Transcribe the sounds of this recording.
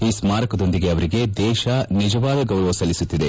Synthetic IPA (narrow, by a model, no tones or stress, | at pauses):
iːsmaːɾɐkɐd̪o̞nd̪iɡeɐʋɐɾiɡe̞d̪ɛːʃɐnid͡ʒɐʋaːd̪ɐɡɐwɾɐʋɐsɐlːisut̪ːid̪e̞